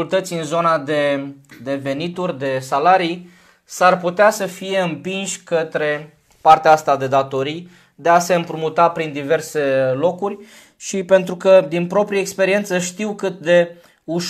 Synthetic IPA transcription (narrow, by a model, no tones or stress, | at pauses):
ult̪ət̪sʲɨnzo̞nad̪e̞d̪e̞ve̞nit̪urʲd̪e̞salaɾij | sarput̪easəfije̞ɨmpinʃʲkət̪ɾe̞ | part̪eaast̪ad̪e̞d̪at̪o̞ɾij | d̪e̞ase̞ɨmpɾumut̪apɾind̪ive̞rse̞lo̞kurʲ | ʃipe̞nt̪ɾukəd̪inpɾo̞pɾiəekspe̞ɾie̞nt̪səʃt̪iwkɨt̪̚d̪e̞ | uʃ